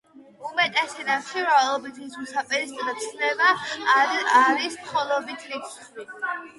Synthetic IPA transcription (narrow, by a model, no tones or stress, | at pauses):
umɛt̪ʼɛsɛd̪aχʰiɾalˠɔbit̪ʰisusapʼɛɾisd̪ɾat̪sʰlɛbaː | ɾismχɔlˠɔbit̪ʰlit̪s | i